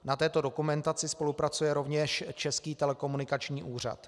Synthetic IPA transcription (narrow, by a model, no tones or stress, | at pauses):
nat̪ɛːt̪o̞dokumɛnt̪at͡sɪspo̞lupɾat͡sujɛɾo̞vɲɛʃt͡ʃɛskiːt̪ɛlɛko̞munɪkat͡ʃɲiːʔuːr̝a̰t̪